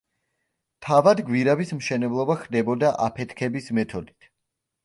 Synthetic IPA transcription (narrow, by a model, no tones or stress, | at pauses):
t̪ʰavad̪ɡwiɾavismʃɛnɛblˠɔbaχd̪ɛbɔd̪aʔapʰɛt̪ʰkʰɛbismɛt̪ʰɔd̪i̥t̪ʰ